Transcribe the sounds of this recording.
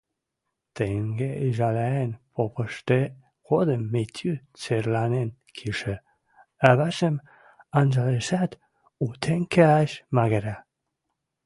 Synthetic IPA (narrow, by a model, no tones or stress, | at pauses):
t̪eŋɡeiʒalaenpʰopəʃt̪e | kod̪əmːet̪ʲʰyt͡seɾlanen | kʰiʃə | aβaʃəm | anzalesat̪ | ut̪ʰeŋkeaʃmaɣeɾa